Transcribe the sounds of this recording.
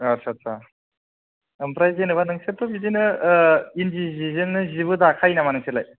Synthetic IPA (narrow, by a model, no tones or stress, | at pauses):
aɾsasa | ɯmpɾajzenɯβanɯŋset̪obidinɯ | ind͡ʒizizenːɯziβɯd̪akʰajnamanɯŋselaj